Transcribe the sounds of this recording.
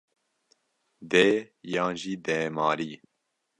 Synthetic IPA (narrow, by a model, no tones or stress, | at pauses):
d̪ɛːjɑːnʒiːd̪ɛːmɑːɾiː